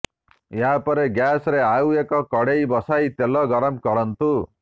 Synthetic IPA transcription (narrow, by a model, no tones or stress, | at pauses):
eɦapɔɾeɡjasɔɾeawekɔkɔɽejbɔsajt̪elɔɡɔɾɔmkɔɽɔnt̪u